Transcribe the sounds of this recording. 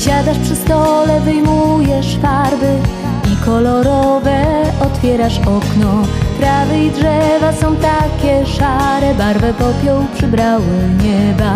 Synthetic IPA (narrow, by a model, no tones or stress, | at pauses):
ɕad̪aʂpʂɘst̪ɔlɛvɘjmujɛʂfaɾvɘ | ikɔlɔɾɔvɛɔt̪fʲjɛɾaʂɔknɔp̪ɾavɛid̪ʐɛvasɔ̃w̃t̪akʲɛʂaɾɛbaɾvɛpɔpʲjɔwpʂɘbɾawɘɲɛba